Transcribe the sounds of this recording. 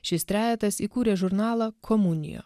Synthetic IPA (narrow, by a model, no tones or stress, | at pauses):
ʃʲɪst̪ʲɾʲæːjɛt̪ɐsiːkuːɾʲeːʒʊɾnɑːlˠɐkʰɔmʊnʲɪ̰jo̰ː